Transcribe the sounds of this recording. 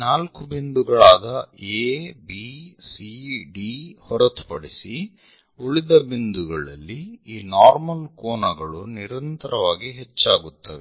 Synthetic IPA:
naːlkubind̪uɡɐɭaːd̪ɐeːbiːsiɖihɔɾɐt̪u̥pɐɽisi | oɭid̪ɐbind̪uɡɐɭɐ̰lːiiːnaːɾmɐlkoːnɐɡɐɭuniɾɐnt̪ɐɾɐʋaːɡiɦet͡ʃːaːɡut̪ːɐʋɛ

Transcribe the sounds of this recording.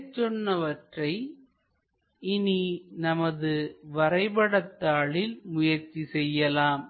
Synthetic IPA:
t͡ʃːɔnːɐʋɐʈrɐɪ | ɪninɐmɐðɯʋɐɾɐɪbɐɽɐt̪ːaːɭɪlmʊjɐɾt͡ʃːisɛjːɐlaːm

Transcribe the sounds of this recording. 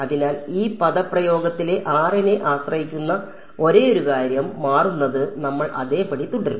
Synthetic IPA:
ɐðinaːliːpɐðɐprɐjo̞ːɡɐt̪ːile̞ʔaːrine̞ʔaːɕrɐhikʲːunːɐ | o̞ɾe̞ːoɾukaːɾjɐmːaːrunːɐðɨnɐmːɐɭʔɐ̰ðe̞ːpːɐɽit̪ːuɳɽɖɐɾu

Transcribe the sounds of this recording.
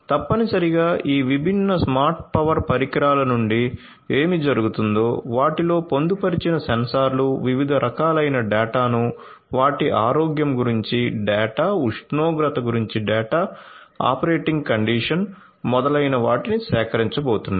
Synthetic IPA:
t̪ɐpːɐnisɐɾiɡaːʔiːʋibʱinːɐsmaːɾʈ̚pɐʋɐɾpɐɾikɾaːlɐnuɳɖi | eːmid͡ʒɐɾuɡut̪und̪o̞ːʋaːʈilo̞ːpo̞nd̪upɐɾit͡ʃinɐsɐnsaːɾluʋiʋid̪ʱɐɾʔɐkaːlɐjnɐɖɛːʈaːnu | ʋaːʈiʔaːɾoːɡjɐmɡuɾiɲt͡ʃiɖɛːʈaːuʂnoːɡɾɐt̪ɐɡuɾiɲt͡ʃiɖɛːʈaːa̰ːpɐɾeːʈiŋɡkɐɳɖiːʂɐn | mɔd̪ɐlɐjnɐʋaːʈinisɛːkɐɾiɲt͡ʃɐboːt̪unːa

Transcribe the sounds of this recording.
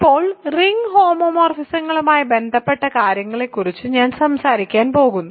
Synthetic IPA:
ipːo̞ːɭriŋɡhoːmoːmoːrfisɐŋːɐɭumaːjɐbe̞nd̪ʱɐpːe̞ʈːɐkaːɾjɐŋːɐɭe̞kːurit͡ɕːɨɲaːnsɐmsaːɾikʲːaːnpo̞ːɣunːu

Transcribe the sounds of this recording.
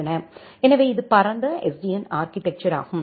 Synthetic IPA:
ɐnɐ | ɛnɐʋeːɪðɯpɐɾɐnd̪ɐɛsɖijɐnaːɾkɪt̪ɛk̚t͡ʃɐɾa̰ːɣɯm

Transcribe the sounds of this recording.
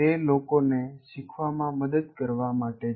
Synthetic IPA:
elokoneʃikʰʋamãməd̪əd̪kəɾʋamaʈe

